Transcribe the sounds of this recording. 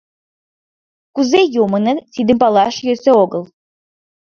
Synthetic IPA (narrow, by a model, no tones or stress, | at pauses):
kuzejomɤnə̆t̪id̪ə̆mpɑlˠɑʃjøseoɡəlˠ